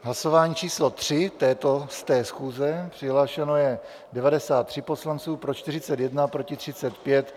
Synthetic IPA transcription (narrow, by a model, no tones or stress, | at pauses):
ɦlaso̞vaːɲiːt͡ʃiːslot̪r̝̥ɪt̪ɛːt̪o̞st̪ɛːsxuːzɛpr̝̥ɪɦlaːʃɛno̞jɛ | dɛvadɛsaːt̪ːr̥ɪpo̞slant͡suːpɾot͡ʃt̪ɪrɪt͡sɛt̪jɛdnapɾo̞cɪt̪r̝̥ɪtt͡sɛt̪pjɛt̪